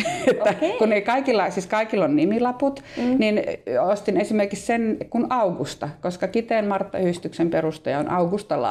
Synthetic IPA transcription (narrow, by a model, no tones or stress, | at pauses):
et̪ːækuneikɑikilːɑsiːskɑikilːonnimilɑput̪ninost̪inesimerkikssenkunɑukust̪ɑkoskɑkit̪eːnmɑrt̪ːɑhyhist̪yksemperust̪ojɑonʔɑukust̪ɑlɑ̰